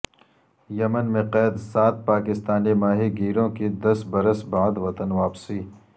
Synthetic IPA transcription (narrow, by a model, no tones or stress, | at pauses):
jɐmənmẽqɛːd̪saːt̪̚paːkɪst̪aːnimaːɦiɡiːɾõked̪ɐsbɐɾəsbaːd̪ʋɐt̪ənʋaːpsiː